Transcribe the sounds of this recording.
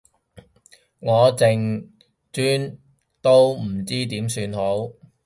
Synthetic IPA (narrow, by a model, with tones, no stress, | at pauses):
ŋɔː˨˧t͡sɪ˨ŋ | t͡syː˥n | t̪o˥wm̩˨˩t͡siː˥t̪iː˨˥msyː˧nho˨˥w